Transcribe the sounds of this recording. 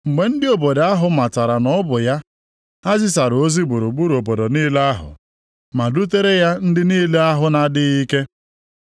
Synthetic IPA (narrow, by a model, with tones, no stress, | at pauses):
ŋ͡m̩˨ɡ͡be˨n̩˦dɪ˦o˨bo˨da˦ɦʊ˨˦ma˨ta˨ɾa˨nɔ˦bʊ˨ja˦ | a˦zɪ˦s̬a˨ɾo˦zi˦ɡ͡bu˨ɾu˨ɡ͡bu˦ɾo˨bo˨do˨niː˦le˦a˦ɦʊ̰˨ | ma˨du˦t̬e˦ɾe˦ja˦n̩˦dɪ˦niː˦le˦a˦ɦʊ˦na˨dɪ˦i˦ke˦